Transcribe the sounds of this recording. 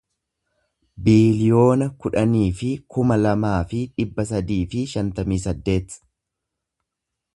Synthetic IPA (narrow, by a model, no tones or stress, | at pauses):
biːljo̞ːnɐkʊᶑɐniːfɪkʊmɐlɐmaːfɪᶑɪbːɐs̬ɐd̪iːfɪʃɐnt̪ɐmiːsɐd̪ːe̞ːt̪